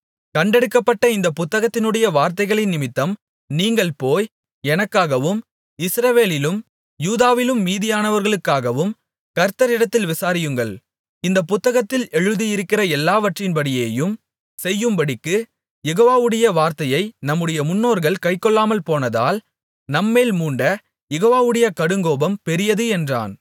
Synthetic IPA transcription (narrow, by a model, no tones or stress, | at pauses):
kɐɳɖɛɽɯkːɐpːɐʈːɐɪnd̪ɐpːʊt̪ːɐɣɐt̪ːɪnɯɽɐjɐʋaːɾt̪ɐɪɣɐɭɪnɪmɪt̪ːɐm | niːŋɡɐɭpoːj | ɛnɐkːaːɣɐʋɯm | ɪsɾɐʋeːlɪlɯm | juːðaːʋɪlɯmːiːðɪjaːnɐʋɐɾɣɐɭɯkːaːɣɐʋɯm | kɐɾt̪ːɐɾɪɽɐt̪ːɪlʋɪsaːɾɪjɯŋɡɐɭ | ɪnd̪ɐpʊt̪ːɐɣɐt̪ːɪlɛɻɯðijɪɾɯkːɪrɐɛlːaːʋɐʈrɪnbɐɽɪjeːjɯm | sɛjːɯmbɐɽɪkːɯ | jɛɣoːʋaːʋɯɽɐjɐʋaːɾt̪ɐjɐɪnɐmːɯɽɐjɐmʊnːoːɾɣɐɭkɐɪkːɔɭːaːmɐlpoːnɐða̰ːl | nɐmːeːlmuːɳɖɐ | jɛɣoːʋaːʋɯɽɐjɐkɐɽɯŋɡoːbɐmpɛɾɪjɐðɯɛndra̰ːn